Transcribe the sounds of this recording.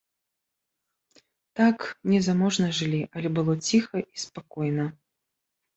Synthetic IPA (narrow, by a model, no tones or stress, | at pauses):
t̪aknʲɛzamɔʐnɐʐɨlʲiʔɐlʲɛbɨlˠɔt͡sʲixɐʔispakɔjnɐ